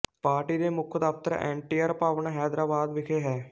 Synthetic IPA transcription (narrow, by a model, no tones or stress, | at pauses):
paːɾʈiːd̪eːmʊkʰd̪aːft̪əɾɛ̰̃ːɳʈiːəɾpaːʋəɳɦɛːd̪ɾaːbaːd̪ʋɪkʰeːɦɛː